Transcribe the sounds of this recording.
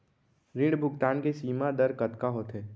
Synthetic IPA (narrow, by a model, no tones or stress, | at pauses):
ɾɪ̃ɖbʱʊkt̪aːnkesiːmad̪əɾkət̪kaɦoːt̪ɦeː